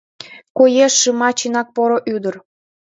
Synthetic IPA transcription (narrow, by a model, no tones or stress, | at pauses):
kojeʃːɨmɑt͡ɕinɑk̚poɾoʔyd̪ər